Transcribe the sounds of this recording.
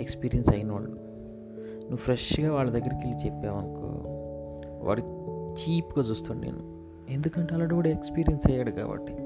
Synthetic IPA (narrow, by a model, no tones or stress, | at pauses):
ekspiːɾijɐnsɐjɐnʋa̰ːɭːu | nuʋːpʰɾeʂɡaːʋaːɭːɐd̪ɐɡːɐɾɐkilit͡ʃepːaːʋɐnɐkṵ | ʋʔa̰ːɽit͡ʃiːpuɡaːt͡ʃuːst̪aːɳnḛːnu | e̞nd̪ukɐɳʈeɐlaːɖɐʋɐɽeekspiːɾijɐnsɐjaːɽuka̰ːbɐ̰ʈːi